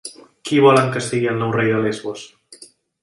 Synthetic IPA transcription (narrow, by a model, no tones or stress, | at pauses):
kiβɔlaŋkəsiɣialnɔwrejðəlezɣos